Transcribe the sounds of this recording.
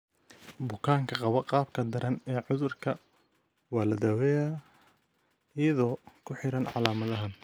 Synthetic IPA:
bʊkʰaːŋkʰɐqɑβɐqɑːbkʰɐd̪ɐɾɐnɛːʕʊðʊrkʰɐ | wɑːlɐd̪awɛːjaː | ɪjɐðɔːkʰʊħɪɾɐnʕɑ̰laːmɐðɐɦɐn

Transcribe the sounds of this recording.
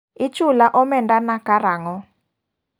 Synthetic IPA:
ɪt͡ʃʊlaʔɔmɛndanakaɾaŋɔ

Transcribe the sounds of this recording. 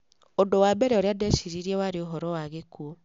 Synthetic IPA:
odowabɛɾɛoɾeadɛʃiɾiɾiɛwaɾeoɦɔɾɔwaɣekuo

